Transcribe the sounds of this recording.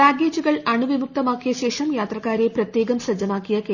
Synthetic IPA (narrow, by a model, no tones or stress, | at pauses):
aːɡeːt͡ɕːuɣɐɭɐɳuʋimuk̚t̪ɐmaːkːijɐɕe̞ːʂɐmjaːt̪rɐkːaːɾeprɐt̪je̞ːɡɐmsɐd͡ʑɐmaːkːijɐke